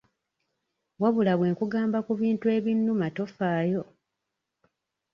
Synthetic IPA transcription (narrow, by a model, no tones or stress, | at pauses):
waβulaβwe̞ːŋkuɡaːmbakuβiːntue̞ːβinːumato̞faːjo̞